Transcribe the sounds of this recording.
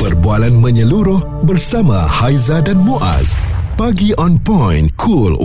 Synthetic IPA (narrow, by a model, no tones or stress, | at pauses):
pərbualanmə̃ɲəluɾʊh | bərsamã̰hajzadanmõʔa̰zpaɡiʔɔ̃npɔjnkʰul